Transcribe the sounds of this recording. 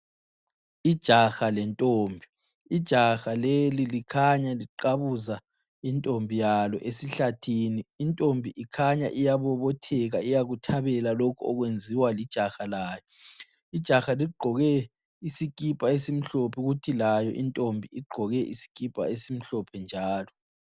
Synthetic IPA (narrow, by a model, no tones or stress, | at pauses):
id̥ʒ̥ʱaxalɛntʼoːmbʱi | id̥ʒ̥ʱaxalelilikʰaɲaliǃaβuza | intʼombʱijalɔ̰ʔesiɬatʰiːniːntʼombʱiʔikʰaɲaʔijaβɔβɔtʰɛɣaijaɣutʰaβɛlalokʰuɔ̰ɣwend͡zʱiwalid̥ʒ̥ʱaxalaːjɔ | id̥ʒ̥ʱaxaliɡ͡ǃʱɔɣɛ | isik̬ʼipʼaesim̩ɬɔpʰɛɣutʰilajɔʔintʼombʱiiɡ͡ǃʱɔɣɛʔḭsi̥k̬ʼipʼa̰esim̩ɬɔpʰɛnd͡ʒʱaːlɔ